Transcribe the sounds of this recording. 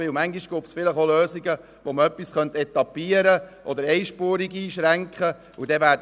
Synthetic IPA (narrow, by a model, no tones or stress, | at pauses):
ʋɪwmæŋɡiʃɡ̥uːpsfɪləχoløːsiɡə | ʋoməœpːisχœnt̪ɛt̪ɑpiəɾəʔɔd̪əɾɛjʃpuːɾiɡiːʃɾæŋkχə | ud̥̪ɛvæːt